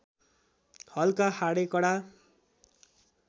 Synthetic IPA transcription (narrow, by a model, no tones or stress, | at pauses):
hʌlkahaɽekʌɽa